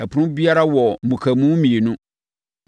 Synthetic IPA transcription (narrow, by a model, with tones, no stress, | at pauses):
ɛ˨pʰʊ˨˦ʊ̃˦bi˦a˦ɾa˦wɔ˨mũ˨kʰa˨mũ˦mĩ˨e˨nũ˦